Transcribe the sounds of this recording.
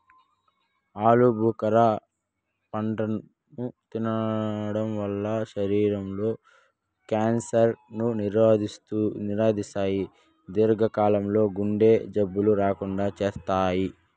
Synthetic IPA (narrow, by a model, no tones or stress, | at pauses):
aːlubʱukɐɾa | pɐɳʈɐn | nut̪inɐɽɐmʋɐlːɐʃɐɾiːɾɐmlo̞ː | kaːnsɐɾnuniɾad̪ist̪uniɾaːd̪isaːji | d̪iɾɡʱɐkaːlɐmlo̞ːɡuɳɖe̞ːd͡ʒɐbːuluɾaːkuɳɖaːt͡ʃeːst̪aːji